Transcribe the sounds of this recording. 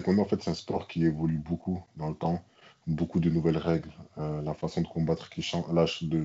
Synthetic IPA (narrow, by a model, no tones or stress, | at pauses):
sekɔ̃naɑ̃fɛt̪sɛt̪ɛ̃spɔʁkʲievɔlybokud̪ɑ̃lət̪ɑ̃ | bokud̪ənuvɛlʁɛɡlølafasɔ̃d̪əkɔ̃bat̪χkʰʲiʃɑ̃laʒd̪ə